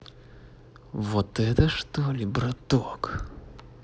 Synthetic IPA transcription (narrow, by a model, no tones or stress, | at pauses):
vɔt̪ɛt̪ɐʂt̪ɔlʲibɾɐt̪ɔk